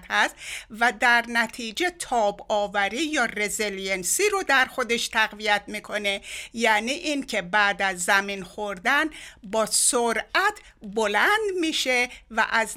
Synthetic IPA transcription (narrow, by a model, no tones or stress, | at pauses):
t̪hæst̪væd̪æɾnæt̪ʰiːd͡ʒe̞t̪ʰɒːbɒːvæɾiːjɒːrezeljensiɾod̪æɾxod̪e̞ʃt̪ʰæɣvijæt̪̚ʰmiːkʰo̞ne̞jæniːʔincʰe̞bæːd̪æzːæminxoɾd̪ænbɒːsoɾʔæt̪ʰ | bolænd̪miːʃe̞væ̰ʔæz